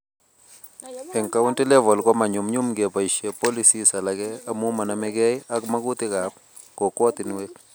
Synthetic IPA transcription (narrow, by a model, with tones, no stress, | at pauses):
ɛ˨ŋka˦wʊ˦nti˦lɛ˦vɔ˨lkɔ˦ma˨ɲʊ˨mɲʊ˦mɡe˨pa˨i˨ʃe˨pɔ˦li˦si˦sa˨la˨ɡɛ˦a˦mu˦ma˨na˨mɛ˦ɡɛ˦ja˦kma˦ɡʊ˦t̪ɪ˦ka˨p̚ | kɔ˨kwɔ˦t̪ɪ˨nwe˦k